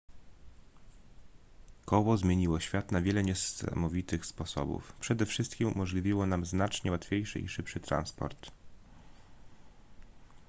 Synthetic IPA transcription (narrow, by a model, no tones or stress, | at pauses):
kɔwɔzmʲjeɲiwɔɕfʲjat̪navʲjɛlɛɲɛsa̰mɔvʲit̪ɘxspɔsɔ̰bṵfpʂɛd̪ɛfʂɘst̪kʲimṵmɔʐlʲivʲiwɔnamznat͡ʂɲɛwat̪fʲjejʂɘ̰ḭʂɘpʂɘt̪ɾa̰nspɔ̰ɾt̪